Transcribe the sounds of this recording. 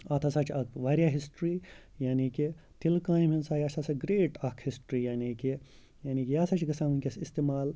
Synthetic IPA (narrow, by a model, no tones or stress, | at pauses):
at̪ʰɐsat͡ʃɐkʋaːɾʲjaːɦisʈɾiː | jaːniːki | t̪ilkãːjiminsaːjɐsasɐɡɾeːʈɐkʰhisʈɾiːjaːniːki | jaːniːkʲijaːsɐt͡ʃɡɐsamunʲkʲesist̪eːmaːl